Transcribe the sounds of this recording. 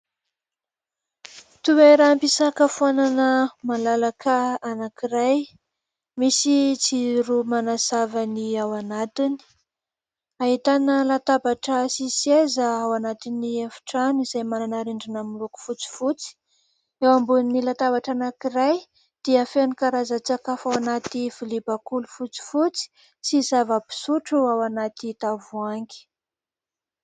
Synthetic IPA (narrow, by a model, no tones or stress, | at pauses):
t̪ubejɾaampisakəfuananəmalalakʰəanakiɾaj | misit͡siɾumanasavaniawanat̪ini̥ | aɦit̪anəlat̪abaʈ͡ʂəsisiezəawanat̪iniafi̥ʈ͡ʂanizajmananaɾeɳɖ͡ʐinamuluku̥fut͡si̥fut͡si̥ | ewambuninilat̪abaʈ͡ʂanakiɾaj | d̪̥iəfenikaɾazat͡sakafawanat̪ifulibakulufut͡si̥fut͡si̥ | sizavəbi̥suʈ͡ʂuawanat̪it̪avuaŋɡi̥